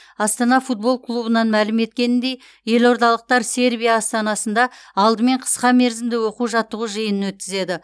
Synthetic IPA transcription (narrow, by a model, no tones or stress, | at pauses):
ɑst̪ɑnɑfut̪̚bo̞lˠklˠubənɑnmælɪme̞t̪kʲe̞nɪnd̪e̞j | je̞lo̞ɾt̪ɑlˠəq̚t̪ɑɾse̞ɾbijaːst̪ɑnɑsənd̪ɑɑlˠd̪əme̞ɴqʰə̥sqɑme̞ɾzɪmd̪ɪwo̞quwʒɑt̪ːəʁuʒəjənənwɵt̪̚kʲɪze̞d̪ɪ